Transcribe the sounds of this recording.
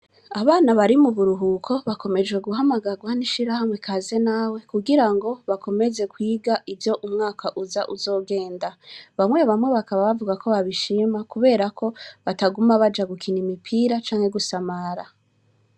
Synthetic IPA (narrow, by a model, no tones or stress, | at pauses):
aβaːnaβaɾimuβuɾuɦukʰo̞βako̞me̞d͡ʒɡwe̞ɡuɦamaɡaɡwaniʃiɾahamwe̞kʰaːzenaːwe̞kuɡiɾaŋɡo̞βako̞me̞ze̞kwiːɡaʔivjo̞ʔumŋaːkʰaʔuzaʔuzo̞ːɡe̞ːndaβamwe̞βamwe̞βakaβaβavuɡako̞βaβiʃimakuβe̞ːɾakʰo̞βataɡumaβad͡ʒaɡukʰinimipʰiɾat͡ʃaːŋhe̞ɡusamaɾa